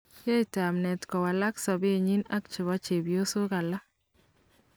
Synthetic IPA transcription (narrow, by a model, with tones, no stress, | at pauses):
jɛ˦ɪta˨mnɛ˨tkɔ˨wa˨la˦ksɔ˨be˦ɲi˦na˦k̚t͡ʃɪ˨βa˦t͡ʃe˨bjo˦so˦ka˨la˦